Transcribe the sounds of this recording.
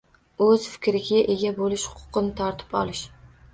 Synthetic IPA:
ɵz̥fɪ̥kʲɾɪɡʲaʔeɡʲabolɪʃhʊ̥qʰʊ̥qɨnɪt̪ʰɒɾt̪ʰɪ̥pɒ̰lˠɪʃ

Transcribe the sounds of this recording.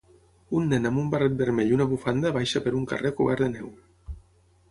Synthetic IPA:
unːenamumbaret̪̚beɾmeʎunaβufand̪aβajʃapeɾuŋka̰rekuβaɾðenɛw

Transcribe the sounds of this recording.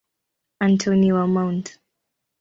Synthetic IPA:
ãntʰoniamãwnt

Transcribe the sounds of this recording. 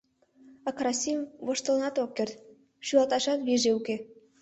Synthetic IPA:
ɑkɾɑsʲimvɤ̆ʃt̪ɤ̆lnɑt̪okːert̪ | ʃyɑt̪ɑʃɑt̪βeʒeuke

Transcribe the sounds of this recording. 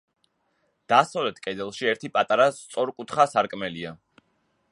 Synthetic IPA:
d̪̥asavlɛt̪ʰkʼɛd̪ɛlˠʃiɛɾt̪ʰipʼat̪ʼaɾast̪sʼɔɾkʼut̪ʰχasaɾkʼmɛlia

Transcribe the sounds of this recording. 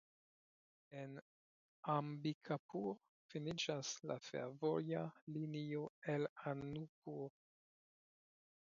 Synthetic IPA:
en | ambikʰapuɾ | finid͡ʒasla̰fḛɾvojalinioelanupuɾ

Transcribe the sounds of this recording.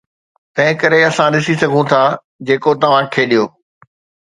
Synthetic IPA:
t̪ɐ̃ɦɪ̃kɐɾeɐsãɗɪsisɐɡʱũt̪ʰaː | d͡ʑeːkot̪ɐʋ̤ãkʰeːɗijoː

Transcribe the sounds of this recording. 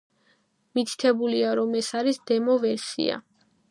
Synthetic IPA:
mit̪ʰi̥t̪ʰɛbuliaɾɔmɛsaɾisd̪ɛmɔvɛɾsḭa̰

